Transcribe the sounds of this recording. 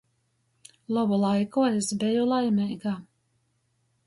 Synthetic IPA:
lˠɔbulˠajkuesbɛjulˠajmʲɛjɡaː

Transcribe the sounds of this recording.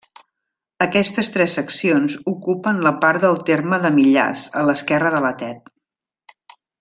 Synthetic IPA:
əkɛst̪əst̪ɾɛsəksionzukupənləpaɾd̪əlˠt̪erməðəmiʎa̰zələskɛrəðələt̪ɛt̪

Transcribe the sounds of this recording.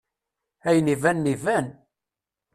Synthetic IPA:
æjənivænːivæn

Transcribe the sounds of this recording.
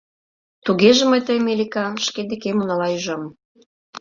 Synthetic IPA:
t̪uɣeʒĕməjt̪əjmelʲikɑʃked̪ekemunɑlɑyʒɑm

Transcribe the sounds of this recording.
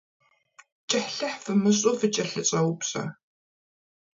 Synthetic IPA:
t͡ʃʼɐħɬɐħfɨmɨɕʼʊfɨt͡ʃʼɐɬɨt͡sʼɐwpɕɐ̰

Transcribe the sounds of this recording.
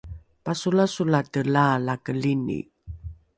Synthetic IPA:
pasulasulatəlalakəlinḭ

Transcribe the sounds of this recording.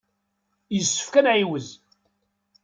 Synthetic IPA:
jəsːə̥fkænʕiwəz

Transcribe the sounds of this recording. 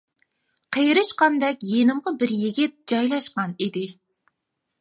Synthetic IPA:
qʰejɾɨʃqɑnd̪ɛkʲjenɪmʁɑbɪɾjiɡʲɪt̪̚d͡ʒɑjlˠɑʃqɑnid̪ɪ

